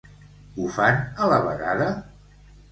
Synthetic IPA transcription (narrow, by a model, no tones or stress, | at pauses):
ufanələβə̰ɣaðə